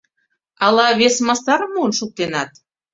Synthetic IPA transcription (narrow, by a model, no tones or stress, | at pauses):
ɑlɑβesmɑst̪ɑɾəmuənʃuk̚t̪enɑt̪